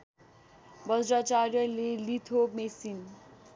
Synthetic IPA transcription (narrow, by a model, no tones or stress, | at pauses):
bʌd͡zɾat͡sarjʌlelit̪ʰomesin